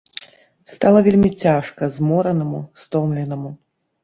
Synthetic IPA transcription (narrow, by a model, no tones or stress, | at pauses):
st̪alˠɐvʲelʲmʲit͡sʲaʂkɐzmɔɾɐnɐmust̪ɔmlʲɛnɐmu